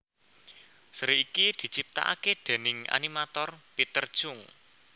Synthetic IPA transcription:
sɾiikid̪̥i̤t͡ʃip̚t̪a̰ʔa̰ked̪̥e̤nɪŋa̰nimat̪ɔrpit̪ərd̥ʒ̥ʊŋ

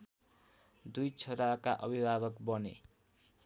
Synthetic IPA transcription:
d̪ujt͡sʰʌɾakaʔʌ̰bʱibʱaɡʌkbʌne

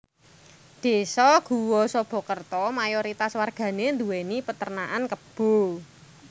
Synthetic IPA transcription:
d̪̥e̤sɔɡ̥uwɔsɔb̥ɔ̤kərt̪ɔmajoɾit̪aswarɡ̥ä̤nend̪uwenipət̪ərnaʔankəb̥o̤

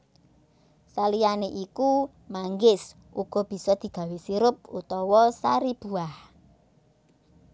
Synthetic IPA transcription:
salijaneʔiku | maŋɡɪs | uɡ̥ɔ̤b̥i̤sɔd̪̥i̤ɡ̥a̤wesiɾʊp̚ut̪ɔwɔsaɾib̥uah

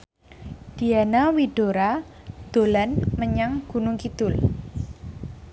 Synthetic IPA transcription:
d̥i̤anawiɖ̥oɾa | d̪̥o̤lanməɲaŋɡ̥ṳnʊŋkid̪ʊl

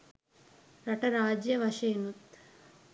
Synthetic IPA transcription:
ɾɐʈɐɾaːd͡ʒjɐʋɐʃeːnut̪

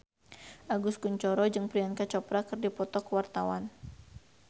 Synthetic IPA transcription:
ʔaɡʊskuɲt͡ʃɔɾɔd͡ʒɨŋpɾiankat͡ʃɔpɾakɨrdipɔt̪ɔkəwart̪awan

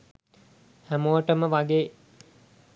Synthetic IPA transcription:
hæmoʋəʈəməʋaɡeː

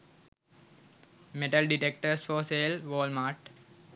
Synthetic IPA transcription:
meʈəlɖiʈek̚ʈəɾsfɔːseːlʋoːlmaːʈ

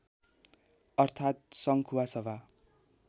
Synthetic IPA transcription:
ʌrt̪ʰat̪̚sʌŋkʰuwasʌbʱa

